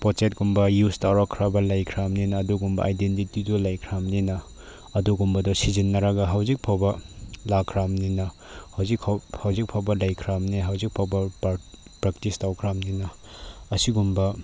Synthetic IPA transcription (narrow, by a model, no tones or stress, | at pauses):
pɔt͡ʃet̚ɡumbɐjustawɾakʰɾabɐlajkʰɾamninɐːduɡumbɐ̰ʔajdentitidɔlajkʰɾamninɐː | duɡumbɐdɔsizinːɐɾaɡaɦawzik̚pʰawbɐlakʰɾamninɐ | hawzikʰahawzik̚pʰawbɐlajkʰɾamniɦawzik̚pʰawbɐ | pɾak̚tistawkʰɾamninɐː | siɡumbɐ